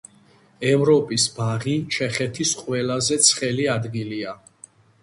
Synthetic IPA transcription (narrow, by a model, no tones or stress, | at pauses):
ɛvɾɔpʼisbaʁit͡ʃʰɛχɛt̪ʰisqʼwɛlazɛt̪sʰχɛliad̪ɡilia